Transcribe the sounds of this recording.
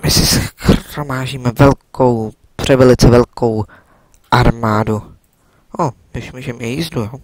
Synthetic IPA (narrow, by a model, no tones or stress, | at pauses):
mɪsɪsxɾomaːʒiːmɛvɛlkow | pr̥ɛvɛlɪt͡sɛvɛlkʰo̞w | ʔaɾmaːdu | ʔodɪʃmuːʒɛmɪjizdujo